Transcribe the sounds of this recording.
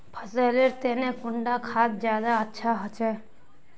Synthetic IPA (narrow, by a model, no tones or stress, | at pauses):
pʰəseːleɾt̪eːnẽkʊɳɖakʰaːt̪̚d͡ʒjaːd̪aətːʃʰaɦət͡ʃɛː